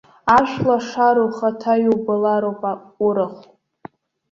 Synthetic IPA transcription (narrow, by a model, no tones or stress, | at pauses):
aʃʷlaʂaɾoχatʰajubɨlaɾowpʼa | ʊɾɨχ